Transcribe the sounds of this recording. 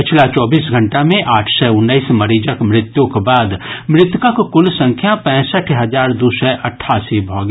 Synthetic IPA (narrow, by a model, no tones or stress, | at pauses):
pɪt͡ʃʰlat͡ʃɔːbiːsɡʱɐ̃ɳʈamẽʔaːʈʰsɛʊnːəiːsmɐɾiːd͡ʒəkmɾɪt̪jõkbaːd̪mɾɪt̪jʊkakkʊlsə̃ŋkʰjapɛ̃ːsəʈʰɦɐzaːɾd̪uːsɛʔɐʈʰːaːsibʱɔːɡ